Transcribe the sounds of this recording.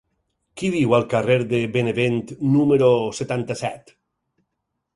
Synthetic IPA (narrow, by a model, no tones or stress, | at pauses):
kiðiwalˠkareɾðebeneβent̪numeɾoset̪ant̪asɛt̪